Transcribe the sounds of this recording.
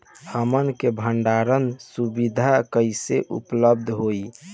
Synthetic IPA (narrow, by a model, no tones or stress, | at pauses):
həmənkebʱəɳɖaɾənsubid̪ʱakəiseʔṵpləb̚d̪ʱɦoi